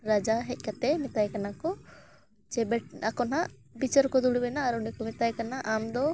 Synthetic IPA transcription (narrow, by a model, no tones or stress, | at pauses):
ɾad͡ʒaɦɛc̚ˀkat̪ɛmɛt̪ajkanakɔ | t͡ʃɛbɛʈ̚akɔnaʔ | bit͡ʃəɾkɔd̪uɽubɛnaːɾɔnikɔmɛt̪ajkanaʔamd̪ɔ